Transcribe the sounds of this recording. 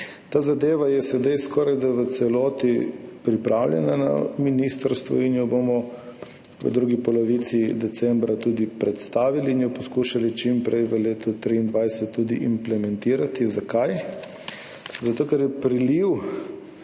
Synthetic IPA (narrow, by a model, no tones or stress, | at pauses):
t̪aːzad̪eːʋajɛsɛd̪ajskɔːɾajd̪aʋət̪sɛlɔːt̪ipɾipɾʔaːwlʲjɛ̰nana̰minist̪əɾst̪ʋɔ̰injɔbomɔ | ʋə̰d̪ɾuːɡipɔlɔʋit̪sid̪ɛt̪sɛmbɾat̪uːd̪ipɾɛt̪st̪aːʋiliːnjɔpɔskuʃalit͡ʃimpɾɛjʋəleːt̪ut̪ɾiːnd̪ʋajsɛt̪ːud̪iʔimplɛmɛnt̪iːɾat̪izakaj | zat̪oːkɛɾjɛpɾiliw